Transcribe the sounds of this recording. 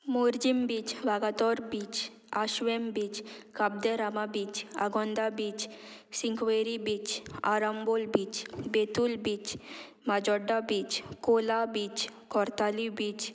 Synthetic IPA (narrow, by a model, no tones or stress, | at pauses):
muɾd͡ʒimbit͡ʃʋaɡat̪ɔɾbit͡ʃ | aʃʋembit͡ʃkab̚d̪eɾamabit͡ʃa̰ɡɔnd̪abit͡ʃsiŋkʋeɾibit͡ʃa̰ɾəmbolbit͡ʃbet̪ulbit͡ʃ | mad͡ʒɔɖːabit͡ʃkolabit͡ʃkɔɾt̪alibit͡ʃ